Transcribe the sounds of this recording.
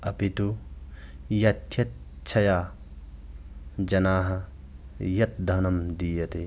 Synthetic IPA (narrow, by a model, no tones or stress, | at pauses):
ɐpit̪u | jɐt̪ʰjɐt̪ | t͡ʃʰɐjaː | d͡ʒɐnaːɦɐ | jɐt̪̚d̪ʱɐnɐmd̪iːjɐt̪e